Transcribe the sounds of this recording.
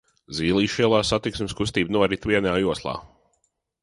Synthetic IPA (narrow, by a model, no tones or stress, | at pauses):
ziːlˠiːʃiɛlˠaːsat̪iksmʲɪskust̪iːbnuɔɾit̪vʲiɛnaːjuɔslˠa̰ː